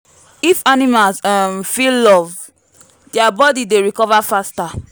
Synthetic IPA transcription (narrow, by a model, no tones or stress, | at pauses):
ifanimalsamfilːɔv | diabɔdideɹikɔvafasta